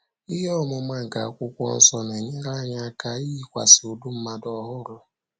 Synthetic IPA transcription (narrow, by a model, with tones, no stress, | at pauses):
i˦ɦɔ˦mʊ˨ma˦ŋ̩˨ɡa˨a˨kʷʊ˦kʷɔ̰˦n̩˦sɔ˦n˨e˨ɲe˦ɾa˦ɲa˦ka˦i˦i˦kʷa̰˨so˨du˦m̩˦ma˦dɔ˦ɦʊ˦ɾʊ˦